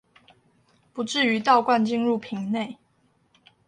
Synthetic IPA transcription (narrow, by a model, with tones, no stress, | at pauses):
pu˨˦ʈ͡ʂɻ̩˥˩y˧˥˦t̪ɑ˥˧ʊkwa˥˧nt͡ɕi˥˧nɻu˥˩pʰi˨˧˥ŋne˥˨ɪ